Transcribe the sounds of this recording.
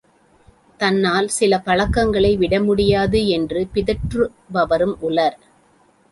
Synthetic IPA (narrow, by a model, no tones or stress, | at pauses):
t̪ɐnːaːlsɪlɐpɐɭɐkːɐŋɡɐɭɐɪʋɪɽɐmʊɽɪjaːðɯɛndrɯpɪðɐʈrɯ | ʋɐʋɐɾɯmʔʊɭɐɾ